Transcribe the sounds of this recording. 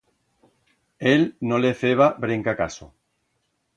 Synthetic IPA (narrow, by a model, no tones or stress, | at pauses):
elnoleθeβ̞aβɾeŋkaka̰so̰